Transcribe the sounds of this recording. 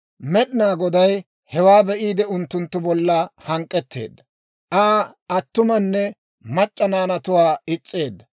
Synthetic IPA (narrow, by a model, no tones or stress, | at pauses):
mɛɗɪnaːɡɔd̪ɐj | hɛwaːbɛʔiːd̪ɛʊnt̪ːʊnt̪ːʊbɔlːɐhɐŋkʼːɛt̪ːe̞̰ːd̪ːɐ | ʔaː | ɐt̪ːʊmɐnːɛ | mɐt͡ʃʼːɐnaːnɐt̪ʊwaːɪt͡sʼːe̞ːd̪ːɐ